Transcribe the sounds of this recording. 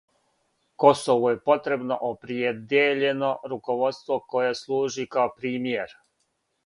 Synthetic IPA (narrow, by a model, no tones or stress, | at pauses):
ko̞soʋuje̞po̞t̪ɾe̞bno̞̰ʔopɾied̪jeʎe̞no̞ɾuko̞ʋo̞t̪st̪ʋo̞ko̞jeslˠuːʒikaopɾiːmje̞ɾ